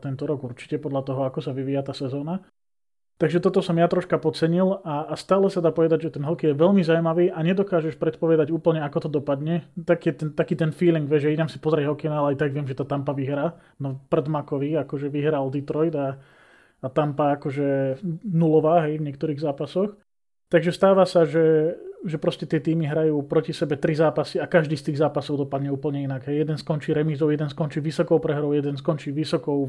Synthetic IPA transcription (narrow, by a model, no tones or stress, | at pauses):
t̪ɛnt̪ɔɾɔɡuɾt͡ʃi̥cɛpɔd̪ʎat̪ɔɦɔakɔsaʋiʋiːjat̪aːsɛzɔːna | t̪aɡʒɛt̪ɔt̪ɔsɔmjat̪ɾɔʃkapɔt͡sɛɲilaːst̪aːlɛsad̪aːpɔʋɛd̪aɟʒɛt̪ɛnɦɔkijɛʋɛlmizawmaʋiːʔaɲɛd̪ɔkaːʒɛʃpɾɛt̪pɔʋɛd̪aɟuːpl̩ɲɛakɔt̪ɔd̪ɔpad̪ɲɛt̪akɛt̪ɛnt̪akiːt̪ɛnfiːliŋɡʋɛʒʒɛinamsi̥pɔzɾɛɦɔkɛjnaalɛajt̪aɡʋɪɛmʒɛt̪aːt̪ampaʋiɦɾaː | nɔprɛd̪makɔʋiakɔʒɛʋiɦɾald̪it̪ɾɔjd̪aː | t̪ampaakɔʒɛnulɔʋaːɦɛjvɲɪɛk̚t̪ɔɾiːɣzaːpasɔx | t̪aɡʒɛst̪aːʋasaʒɛʒɛpɾɔscɛt̪ɪɛt̪iːmiɦɾajuːpɾɔcisɛbɛt̪ɾizaːpasiakaʒd̪iːst̪iːɣzaːpasɔʊd̪ɔpad̪ɲɛuːpl̩ɲɛinaɡɦɛjjɛd̪ɛnskɔnt͡ʃiːɾɛmizɔʊjɛd̪ɛnskɔnt͡ʃiːʋisɔkɔʊpɾɛɦɾɔʊjɛd̪ɛnskɔnt͡ʃiːʋisɔkɔʊ